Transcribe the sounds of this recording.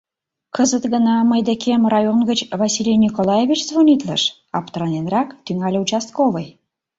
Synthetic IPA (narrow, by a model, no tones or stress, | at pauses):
kʰəzət̪ɡə̆nɑməjd̪əkʰʲemɾɑjoŋɡə̆t͡ɕvasʲilʲenʲikolˠajevʲit͡ɕzvonʲit̪lˠəʃ | ɑpt̪ɾanʲenrɑkt̪yŋɑlʲewt͡ʃast̪kovəj